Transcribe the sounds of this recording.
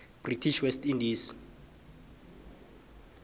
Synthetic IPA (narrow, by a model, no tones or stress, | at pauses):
b̥ritʰiʃwɛstindiːs